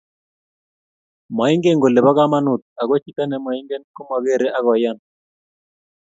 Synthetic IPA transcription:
ma˨i˦ŋɡe˦ŋɡo˨le˨ba˦ɣa˦ma˦nu˨t̪̚a˨ɣɔ˦t͡ʃi˦ta˦nɛ˨mɔ˨i˦ŋɡɛ˦nkɔ˦ma˨ɣe˦˨ɾe˦ʔa˦ɣɔ˨ja˦n

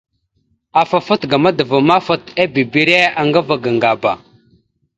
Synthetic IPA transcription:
a˨fa˨fu˦tɡa˨ma˦də˨və˨ma˦fə˦ta˦bi˨bi˦ɾe˦a˨ŋɡa˦va˨ɡa˨ŋɡa˨ba˨

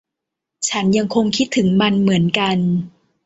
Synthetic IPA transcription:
t͡ɕʰa˦˥nja˧ŋkʰo˧ŋkʰi˦˥t̪ʰːɯ˩˦ŋma˧nmɯ˩˦ənka˧n

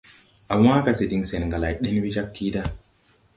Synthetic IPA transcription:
a˨wã˦ka˨se˨di˨ŋse˨nŋɡa˨la˨jɗe˦n˦wi˦d͡ʒa˦kʰːi˦da˦

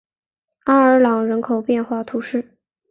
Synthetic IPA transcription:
a˥ə˞˧˥lɑ˨˩ŋɻə˧˥nkʰo˨˩ʊpjɛ˥˧nxwa˥˩t̪ʰu˧˥ʂɻ̩˥˩

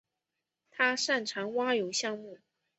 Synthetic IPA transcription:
t̪ʰa˥ʂa˥˩nʈ͡ʂʰɑ˧˥ŋwa˥jo˧˥ʊɕjɑ˥˧ŋmu˥˩

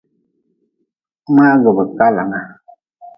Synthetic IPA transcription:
ma˦ɡə˨bə˨ka˦la̰˨ŋa˦˨

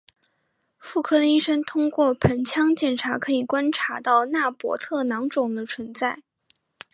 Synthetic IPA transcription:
fu˥˩kʰɤ˥i˥ʂə˥ŋt̪ʰʊ˥ŋkwɔ˥˩pʰə˧˥nt͡ɕʰjɑ˥ŋt͡ɕjɛ˨˩nʈ͡ʂʰa˧˥kʰɤ˧˥i˨˩kwa˥nʈ͡ʂʰa˧˥t̪ɑ˥˧ʊna˥˩pwɔ̰˧˥t̪ʰɤ˥˩nɑ˧˥ŋʈ͡ʂʊ˨˩ŋd̪ə˦t͡sʰwə˧˥nt͡sa˥˩ɪ

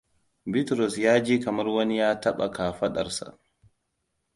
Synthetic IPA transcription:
bi˦tɾɔ˨sjaː˦d͡ʒiː˦kɐ˨mɐ˦ɾwɐ˦ni˦jaː˦tɐ˦ɓa˨ka˨ɸɐ˦ɗɐ̰˨ɾsa̰˨

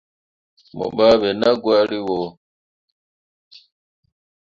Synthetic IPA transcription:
mɔ̰˨ɓa˦βɛ˨na˦ɡwa˦li˦wɔ˨

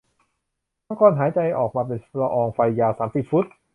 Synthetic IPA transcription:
a˦˥ŋkʰɔː˧nɦaː˩˦jt͡ɕa˧jʔɔː˨˩k̚maː˧p̬e˧npɾa˧ʔɔː˧ŋfa˧jːaː˧wsaː˩˦msi˨˩p̚fu˦˥t̪̚

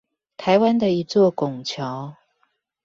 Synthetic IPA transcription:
t̪ʰa˧˦ɪwa˦nd̪ə˨i˧˥t͡swɔ˥˨kʊ˨˩ŋt͡ɕʰjɑ˨˧˦ʊ

